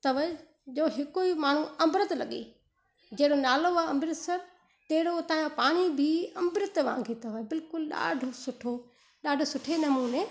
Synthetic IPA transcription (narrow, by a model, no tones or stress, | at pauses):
t̪ɐʋəe | d͡ʑoːɦɪkoimaːɳ̤uɐ̃mbɾət̪lɐ̰ɠḛː | d͡ʑeːɽonaːloaɐ̃mbɾɪt̪sɐɾ | t̪eɦɪɽot̪ãːjãpaːɽ̃ibʱiɐmbɪɾɪt̪ʋã̰ːŋɡʱet̪ɐʋəbɪlkʊlɗa̰ːɖʱosʊʈʰo | ɗaːɖʱosʊʈʰenɐmuːneː